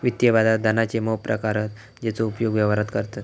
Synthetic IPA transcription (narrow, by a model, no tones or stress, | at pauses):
ʋit̪jəbad̪ad̪ʱənat͡ɕeməɦpɾəkaɾət̪ | d͡ʑet͡soupjoɡʋjɛʋaɾət̪kəɾt̪at̪